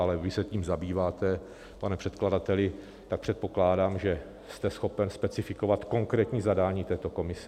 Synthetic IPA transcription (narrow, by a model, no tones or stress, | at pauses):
alɛvɪsɛciːmzabiːvaːt̪ɛ | panɛpr̝̥ɛt̪kladat̪ɛlɪ | t̪ak̚pr̥ɛt̪̚poklaːdaːmʒɛ | st̪ɛsxo̞pɛnspɛt͡sɪfɪko̞vat̪ko̞ŋkɾɛːt̪ɲiːzadaːɲiːt̪ɛːt̪o̞ko̞mɪsɛ